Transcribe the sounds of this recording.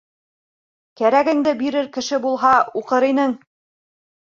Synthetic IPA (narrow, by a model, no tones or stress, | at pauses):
kæɾæɡɘ̆ŋd̪ɘbiɾɘɾkɘ̆ʃɘbulˠɦɑuqɤɾinɘŋ